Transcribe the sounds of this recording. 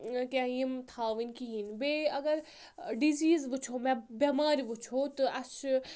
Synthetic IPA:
kʲãjimt̪ʰaːʋinʲkiɦinbeɐɡɐɾ | ɖiziːzbɨt͡ʃʰomɛ̃bɐmaːɾʲibut͡ʃʰoːt̪ɨɐt͡ʃ

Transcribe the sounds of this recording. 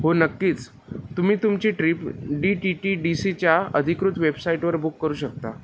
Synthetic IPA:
ɦonəkːiːt͡s | t̪um̤iːt̪umt͡ɕiːʈɾipɖiʈiʈiɖisit͡ɕjaə̰d̪ʱikɾut̪ʋebsaiʈʋəɾbukːəɾuːɕək̚t̪a

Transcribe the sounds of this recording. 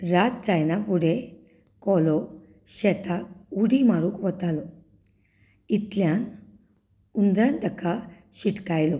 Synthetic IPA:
ɾat̪̚d͡zajnapuɽe | kɔlɔ | ɕɛt̪akuɽimaɾuːkʋət̪alɔ | it̪ljan | und̪ɾãnʈ̪əkʰa | ɕiʈkajlɔ

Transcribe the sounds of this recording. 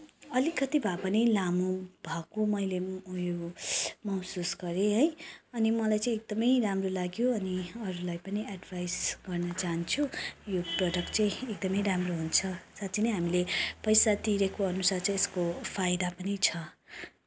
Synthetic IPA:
ʌlikʌt̪ibʱapʌnilamubʱʌkumʌjlejomʌwsusɡʌɾeɦʌjʌnimʌlajt͡sʌ̃ĩek̚d̪ʌmʌjɾamrolaɡjoʌniʌɾulajpʌniaɖbʱajsɡ̥ʌrnʌt͡saɦnt͡sʰujoproɖʌkʈt͡sʌ̃ĩekd̪ʌmʌjɾamroɦunt͡sʰʌsatt͡sʰinʌjɦamilepʌjsat̪iɾekoʌnusart͡sʌĩj̃eskopʰajd̪apʌnit͡sʰʌ

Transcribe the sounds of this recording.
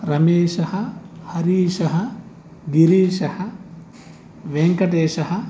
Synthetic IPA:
ɾɐmeːʃɐhɐhɐɾiːʃɐɦɐ | ɡiɾiːʃɐhɐ | ʋeŋkɐʈeːʃɐhɐ

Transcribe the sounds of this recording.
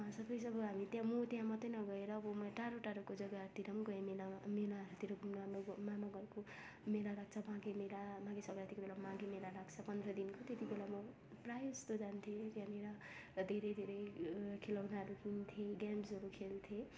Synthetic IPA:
ʌsʌbʌjsʌbʌɦamit̪jãmot̪jãmʌt̪ʌjnʌɡʌeɾʌːbʌmʌʈaɾoʈaɾokod͡zʌɡat̪iɾʌmɡʌemelamelaɾut̪iɾʌɡʱumnmɡmamaɡʌɾko | melaɾaɡ̚t͡sʰʌmãɡemelabãɡesʌbat̪ikobelamãɡemelaɾaɡt͡sʰʌpʌnd̪rʌd̪inkot̪et̪ibelamʌ | prajst̪od͡zant̪ʰet̪jãneɾʌ | d̪ʱeɾʌjd̪ʱeɾʌjkʰelawnaɾukʰint̪ʰjeɡamsʌɾukʰelt̪ʰe

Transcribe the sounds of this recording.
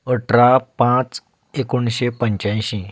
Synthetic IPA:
əʈɾapãt͡s | ekoɳɕepəɲt͡ɕãjɕĩ

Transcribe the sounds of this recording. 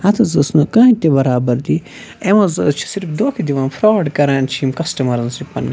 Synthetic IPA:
hɐt̪ʰɐzɐsnɐkɐ̃ːĩt̪ebɐɾaːbɐɾd̪i | emɐzɐt͡ʃʰi̥siɾfd̪oːkʰid̪iʋɐːnfɾoːɖkɐɾaːnt͡ʃʰimkɐsʈɐmɐɾɐnsipɐnɐ

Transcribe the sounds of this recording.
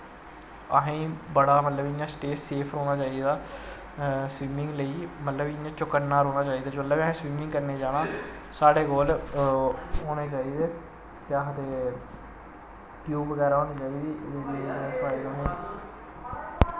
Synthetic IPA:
əɦẽːbəɽaːmət̪ləbɪãːsʈeːseːpʰɾoːɽ̃aːt͡ʃaːiːd̪aː | swiːmɪ̃ŋɡləiːmət̪ləbɪãːt͡ʃʊkənnːaːɾoːnaːt͡ʃaːiːd̪aːd͡ʒolːəːbɦẽːswiːmɪ̃ŋɡkəɾneːd͡ʒaːnãː | saːɽeːkoːl | oːneːt͡ʃaːiːd̪eː | t̪eaɦt̪eː | kjuːʋəɡɛːɾaːoːniːt͡ʃaːiːd̪iːd̪eːɡiːãːspaːiːɾoːnẽː

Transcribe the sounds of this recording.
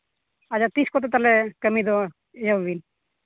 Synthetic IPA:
ad͡ʒat̪iskɔt̪ɔt̪alɛkəmid̪ɔ | ed͡ʒabin

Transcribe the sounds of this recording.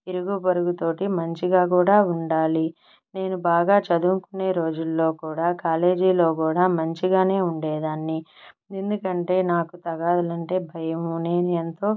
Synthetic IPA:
iɾuɡupɐɾuɡut̪o̞ːʈimɐɲt͡ʃiɡaːk̬uːɽaːuɳɖaːli | ne̞ːnubaːɡaːt͡ʃɐd̪uːŋkune̞ːɾo̞ːd͡ʒulːo̞ːkuːɽaːkaːle̞ːd͡ʒiːlo̞ːkuːɽaːmɐɲt͡ʃiɡaːne̞ːuɳɖeːd̪aːnːi | end̪ukɐɳʈe̞ːnaːkut̪ɐɡaːd̪ɐlɐɳʈe̞ːbʱɐjɐmuneːnient̪o̞ː

